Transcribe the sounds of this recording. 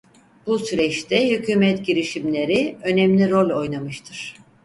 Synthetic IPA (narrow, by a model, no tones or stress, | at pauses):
b̥usyɾɛt͡ʃt̪ʰɛhycʰyːmɛt̪ɟiɾiʃimlʲe̞ɾiø̞nɛmlʲiɾo̞lʲo̞jnamɯʃt̪ʰɯɾ̥